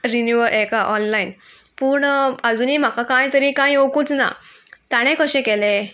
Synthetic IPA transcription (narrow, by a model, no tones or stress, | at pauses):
ɾinjuʋəʔekaʔɔnlain | puːɳəd͡zuːniːm̤akakãjt̪əɾĩkãjokuːt͡sna̰ | t̪aɽ̃ẽkəɕɛ̃kɛle